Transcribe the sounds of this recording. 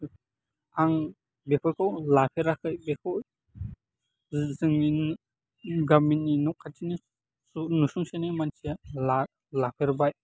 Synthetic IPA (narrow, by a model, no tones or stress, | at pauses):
aŋ | bepʰɔjkʰawlapʰeɾakʰɯjbekʰɔw | zɯŋin | ɡaminːinɔkʰːatini | nusuŋsenimansiala | lapʰeɾbaj